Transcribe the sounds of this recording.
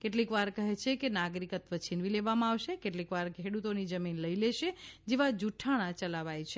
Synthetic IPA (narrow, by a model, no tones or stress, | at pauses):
keʈlikʋaɾkəɦet͡ʃʰekenaɡɾikət̪ʋət͡ʃʰinʋileʋamãaʋʃekeʈlikʋaɾkʰeɽut̪onid͡ʒəminləileʃed͡ʒeʋad͡ʒuʈʰaɽ̃ãt͡ʃəlaʋajt͡ʃʰe